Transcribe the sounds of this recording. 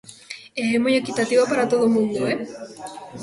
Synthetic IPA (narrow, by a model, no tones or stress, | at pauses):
eɦemujekit̪at̪iβopaɾat̪oð̞omũnd̪oe